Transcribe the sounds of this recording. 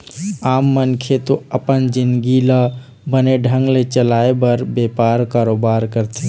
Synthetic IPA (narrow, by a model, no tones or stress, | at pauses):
aːmːənkʰet̪oəpənd͡ʒɪnɡilə | bəneɖʱə̃ŋɡlet͡ʃəlaebəɾbepaɾkaɾoːbaɾkəɾt̪ʰe